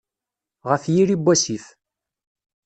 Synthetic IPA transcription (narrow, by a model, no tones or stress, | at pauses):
ʁəfjiɾibʷːæsif